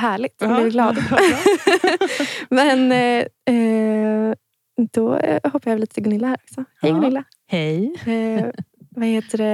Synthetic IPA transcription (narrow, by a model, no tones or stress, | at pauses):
ɦæːɭɪt̪blɪɪɡlɑːd̪ | mɛnɛ | d̪̥ɔ̰hɔpːajaɛliːt̪ət̪ʰɪɡʊnɪlːahæːɾɔksɔhɛjɡɵnɪlːa | hɛj | vaheːt̪əɖɛ